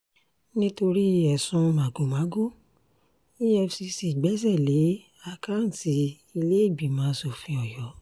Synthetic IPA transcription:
nĩ˦to˧ɾi˦˧ɛ˨sũ˧mã˨ɡo˨mã˨˦ɡo˦˨ | i˦jɛ˧fsi˧si˨ɡ͡bɛ˨˦zɛ˦˨le˨˦ | a˦˨ka˦n̩˨ti˨˦ | i˧le˦i˦˨ɡ͡bi˨mãː˨˦so˨fĩ˧ɔ˨jɔ˨˦

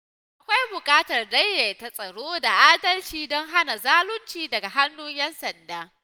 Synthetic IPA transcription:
ʔʔa˨kʷa˦jbʊ˨kʼaː˦tɐ˨rdɐ˦jːe˨ta˦sʼɐ˨ɽoː˦da˨ʔaː˦dɐ˦lt͡ʃiː˨dɔ˦ŋɦa˦na˨zaː˦lʊ˦nt͡ʃiː˦dɐ˨ɡa˨ɦa˦nːu˦ɲjɛ˦nsɐ˨ndaː˦

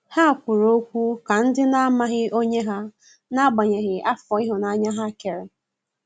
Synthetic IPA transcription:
ha˦a˨kʷʊ˨ɾo˦kʷu˦ka˨n̩˦dɪ˦na˦a˦ma˦ɣɪ˦o˦ɲe˦ɦa˦ | na˦ɡ͡ba˨ɲe˨ɣɪ˨a˦fɔ˨i˦ɦʊ˨na˦a˦ɲa˦ɦa˦ke˨ɾe˨

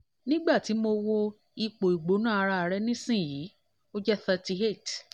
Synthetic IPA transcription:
nĩ˦ɡ͡ba˦˨ti˨˦mo˧wo˧ | i˧k͡po˨i˨ɡ͡bo˨˦nãː˦˨a˧ɾa˧a˨ɾɛ˦nĩ˦sĩ˦˨ji˨˦ | o˦d͡ʒɛ˦θə˧ti˧ɦe˦˨t

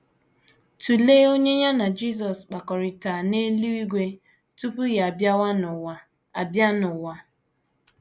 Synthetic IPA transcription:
tu˨leː˦o˦ɲe˦ɲa˦na˨d͡ʒi˦˨s̬ɔ˨sk͡pa˨kɔ˨ɾɪ˨ta˨ne˦lu˦i˦ɡʷe˦ | tu˦pu˦ja˨ba˦wa˦˨˦ | a˨bja˦nʊ˨wa˦

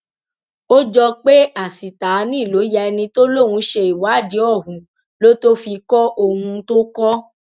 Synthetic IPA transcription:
o˦d͡ʒɔ˧k͡pe˦a˨si˨ta˨˦nĩ˦˨lo˨˦ja˧ɛ˧nĩ˧to˦lo˦˨w̃ũ˧ʃe˧i˨wa˨˦˨di˨˦ɔ˦˨ɦũ˨˦ | lo˦to˦fi˧kɔ˦ʔo˧hũ˧to˦kɔ˦

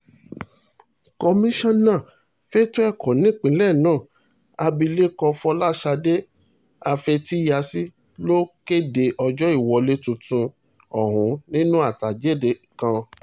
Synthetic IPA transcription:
kɔ˧mĩ˦ʃɔ̃˦nã˦˨ | fe˦to˦ɛ˦˨kɔ̃˨nĩ˨˦˨k͡pĩ˨˦lɛ˦˨nãː˦˨ | a˧bi˧le˦kɔ˧fɔ˧la˦ʃa˧de˦ | a˧fe˧ti˦ja˧si˦ | lo˦ke˦de˧ʔɔ˧d͡ʒɔ˦i˦˨wɔ˧le˦tũ˧tũ˧ | ɔ˨ɦũ˨˦nĩ˦nũ˦a˦˨ta˨d͡ʒe˦˨de˨kã˧

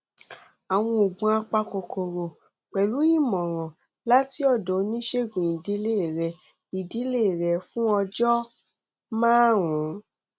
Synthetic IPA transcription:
a˨w̃ɔ̃˧o˨ɡũ˧a˧k͡pa˧ko˨kʰo˨ɾo˨ | k͡pɛ˨lu˨˦i˦˨mɔ̃˨ɾ̃ɔ̃˨ | la˦ti˦ɔ˦˨do˨˦nĩ˦ʃe˦˨ɡũ˨i˨di˨˦le˦˨ɾɛ˧ | i˨di˨˦le˦˨ɾɛ˧˨fũ˦ɔ˧d͡ʒɔ˦ | mãː˦wũ˨˦

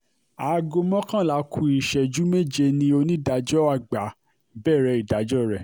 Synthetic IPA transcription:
a˨˧ɡo˧mɔ̃˦kã˦˨la˨˦kʰu˧˦i˨ʃɛ˨d͡ʒu˨˦me˦˨d͡ʒe˧nĩ˧˦o˧nĩ˦da˨˧d͡ʒɔ˦a˧˨ɡ͡ba˨˦ | bɛ˦˨ɾɛ˧˦i˨da˨˦d͡ʒɔ˦ɾɛ˦˨

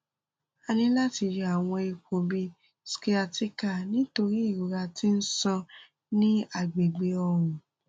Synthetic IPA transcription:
a˧nĩ˦la˦ti˧d͡ʒa˨w̃ɔ̃˧i˧ko˨bi˧ | ske˦a˧ti˦ka˦˨nĩ˨˦to˧ɾi˦i˦˨ɾu˨ɾa˧ti˦n̩˦sɔ̃˧ | nĩ˦a˦˨ɡ͡be˨ɡ͡be˧ɔ˧wũ˨

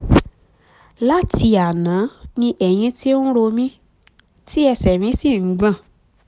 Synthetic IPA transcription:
la˦tʰi˧a˨nã˨˦nĩ˧ʔɛ˨j̃ĩ˧ti˦n̩˦ɾo˧mĩ˦ | ti˦ɛ˧sɛ˨mĩ˨˦si˦˨˦ɡ͡bã˦˨

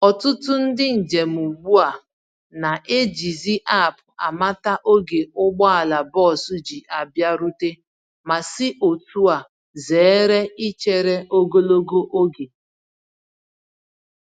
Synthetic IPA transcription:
ɔ˨tʊ˦tʊ˦n̩˦dɪ˦n̩˨d͡ʒe˨m̩˨u˨ɡ͡bu˦a˨ | na˨ʔe˦d͡ʒi˨zi˦ʔa˦˨pʊ˨a˨ma˦ta˦ʔo˦ɡe˨ʊ˦ɡ͡bɔ˦a˨la˨bɔ˦˨su˦d͡ʒi˨ʔa˨bja˦ɾu˦te˦ | ma˨sɪ˦ʔo˨tu˦a˨ | ze˨˦ɾe˦i˦t͡ʃe˦ɾe˦o˦ɡo˦lo˦ɡo˦ʔo˦ɡe˨

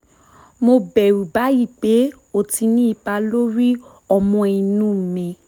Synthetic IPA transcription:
mo˧bɛ˨ɾu˨ba˨˦i˦˨k͡pe˨˦ | o˨ti˧nĩ˦i˧˨ba˧lo˦ɾi˦ | ɔ˧mɔ̃˧i˧nũ˦˨mĩ˧˨

